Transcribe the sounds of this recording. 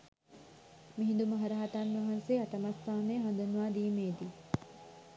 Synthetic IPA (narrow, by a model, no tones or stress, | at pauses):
miɦind̪umɐɦɐɾɐɦɐt̪anʋɐɦanseɐt̪ɐmast̪aːnejːɦɐnd̪unuʋaːd̪iːmeːd̪i